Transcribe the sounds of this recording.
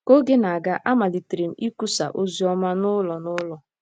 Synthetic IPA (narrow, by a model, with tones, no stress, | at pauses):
ko˦ɡe˦na˨a˨ɡa˦ʔa˦ma˨li˨tɾi˨m̩˨˦i˦ku˦sa˨ʔo˦zi˨˦ɔ˦ma˦nʊ˦lɔ˨nʊ˦lɔ˨